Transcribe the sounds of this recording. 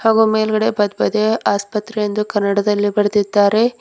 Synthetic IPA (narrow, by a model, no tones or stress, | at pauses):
haːɡuːmeːlɡɐɽe̞bɐd̪bɐd̪eaːspɐt̪ɾejend̪ukɐɾnːɐɽɐd̪ɐlːibɐɾed̪id̪ːaːɾe̞